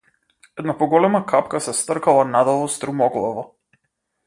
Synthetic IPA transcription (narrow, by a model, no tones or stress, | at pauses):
ɛd̪napɔɡɔlɛmakapkasɛst̪r̩kalˠanad̪ɔvɔst̪ɾumɔɡlˠɔvɔ